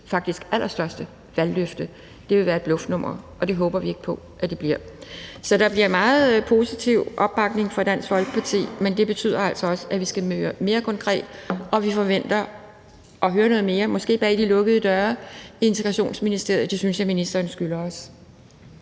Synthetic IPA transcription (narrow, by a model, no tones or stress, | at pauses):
fɑ̈ɡ̥d̥isɡ̥ælʔɐsd̥ɶɐsd̥ə | ʋælːøfd̥ə | d̥e̝ʋe̝ʋæːɐe̝d̥b̥lɔ̽fd̥nɔ̽m̰ɐʔɒ̽d̥e̝ɦɔ̽ːb̥ɐʋie̝ɡ̥pʰɒ̽ | ʔæd̥e̝b̥liɐ̰sɒ̽d̥ɑ̈b̥liɐ̰mɑ̈ːð̩ˠpʰo̝sit͡sʰiʊ̰ʔɒ̽b̥̚b̥ɑ̈ɡ̥ne̝ŋfɒd̥æn̰sfɒ̽lɡ̥ə̥pʰɑ̈t͡sʰḭːmend̥e̝b̥e̝t͡sʰy̰ð̰ˠɐæl̰sɒ̽ɒ̽səæʋisɡ̥æmøːɐme̝ːɐkʰɒ̽nkʰʁɛ̰ːd̥ʔɒ̽ʋifɒ̽ʋen̰d̥ɐ | ʔɒ̽ɦøːɐnɔ̽ːðˠme̝ːɐmɒ̽sɡ̥e̝̰ːb̥ɛ̰ːd̥ilɔ̽ɡ̥əð̩ˠəd̥ɶɐe̝nt͡sʰeɡʁɑɕo̝̰ːnsminisd̥e̝ɐ̰jˠɐd̥esynsjɑminisd̥ɐːnsɡ̥ylɐɒ̽s